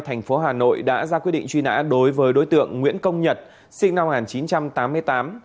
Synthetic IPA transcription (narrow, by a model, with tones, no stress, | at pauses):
t̪ʰɛ˨˩jŋ̟fo˨˦ɦaː˨˩no̰˧˨jɗa̰ː˧˥zaː˧kwi˧˥ɗ̰ŋ̟t͡ɕwi˧na̰ː˧˥ɗo˨˦jvəː˨˦jɗo̰˧˥jt̪ɨ̰˧˨əŋːwḭ˧˥ənkə˧wŋ͡mɲə˨˩t̚ | sï˧ŋ̟na˧mŋaː˨˩nt͡ɕi˨˦nt͡ɕa˧mt̪aː˨˦mːɨ˧əjt̪aː˨˦m